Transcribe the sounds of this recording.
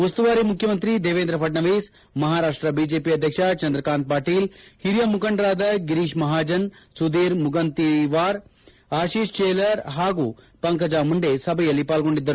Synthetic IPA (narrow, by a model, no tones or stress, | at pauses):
ɐst̪uʋaːɾimukʰjɐmɐnt̪ɾid̪eːʋeːnd̪ɾɐpʰɐʈɳɐʋeːs | mɐɦaːɾaːʂʈɾɐbiːd͡ʒeːpiɐd̪ʱjɐkʂɐt͡ʃɐnd̪ɾɐkaːnt̪̚paːʈiːlhiɾjɐmukɐɳɖɾaːd̪ɐɡiɾiːʃmɐɦaːd͡ʒɐnsud̪iːɾmuɡɐnt̪iʋaːɾ | aːʃiːʂt͡ʃeːlɐɾɦaːɡuː | pɐŋkɐd͡ʒaːmuɳɖesɐbʱɐjɐlːipaːlɡo̞ɳɖid̪ːɐɾu